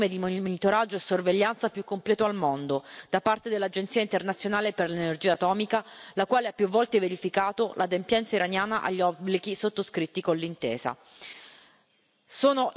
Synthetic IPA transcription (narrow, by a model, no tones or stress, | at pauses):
med̪immonit̪oɾad͡ʒːoesːorveʎːant̪sapjukːomplɛːt̪oalmond̪od̪̥apart̪ed̪elːad͡ʒent̪siːaint̪ernat̪sjonaːleperlenerd͡ʒiːat̪ɔːmikalakwaːleapːjuvːɔlt̪eveɾifikaːt̪olʔad̪empjɛnsaiɾanjaːnaʔa̰ʎːiɔbliɡisot̪ːoskɾit̪ːikonlːint̪ḛːza̰ | soːnoʔ